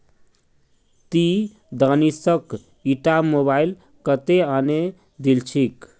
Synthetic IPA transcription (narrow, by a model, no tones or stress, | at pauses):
t̪i | d̪anisək | iʈamoβail | kət̪eane | d̪ilt͡ʃʰik